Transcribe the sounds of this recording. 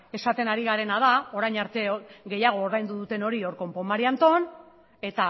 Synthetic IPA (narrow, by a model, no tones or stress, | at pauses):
e̞sat̪e̞naɾiɣaɾe̞nað̞ao̞ɾajɲaɾt̪e̞ɣe̞jaɣ̞o̞ːɾðajnd̪uðut̪e̞no̞ɾio̞ɾko̞mpo̞maɾiant̪o̞n | e̞t̪a